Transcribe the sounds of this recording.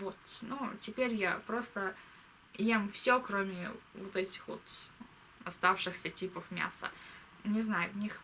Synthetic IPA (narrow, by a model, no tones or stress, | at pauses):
vo̞t̪nutʲɪpʲeɾʲjapɾo̞st̪ə | jemfsʲokɾomʲɪvot̪ɛtʲɪ̥xvo̞̰t̪ | ɐst̪afʂɨxsʲətʲipəfmʲa̰sə̰ | nʲɪznajʊnʲix